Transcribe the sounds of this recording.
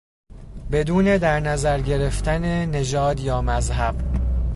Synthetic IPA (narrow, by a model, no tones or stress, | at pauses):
be̞d̪uːne̞d̪æɾnæzæɾɟe̞ɾe̞ft̪ʰæne̞ne̞d͡ʒɒːd̪jɒːmæzɦæb̥